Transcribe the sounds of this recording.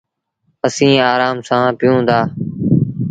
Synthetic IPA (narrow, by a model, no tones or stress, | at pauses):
əsĩːaːɾaːmsãːpɪjũːd̪aː